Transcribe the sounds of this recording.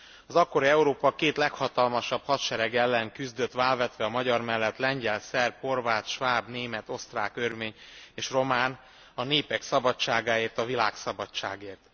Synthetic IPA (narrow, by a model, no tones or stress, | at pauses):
ɒzɒkːo̞ɾiɛuɾoːpɒkeːt̪lɛkhɒt̪ɒlmɒʃɒphɒt̪ʃɛɾɛɡɛlːɛŋkyzd̪ø̞t̪ːʋaːlvɛt̪ʋɛɒmɒɟɒrmɛlːɛt̪lɛɲɟɛlsɛrpho̞rvaːt̪ʃvaːbneːmɛt̪o̞st̪raːkørveːɲeːʃro̞maːn | ɒneːpɛksɒbɒt͡ʃːaːɡaːeːrt̪ɒvilaːksɒbɒt͡ʃːa̰ːɡeːrt̪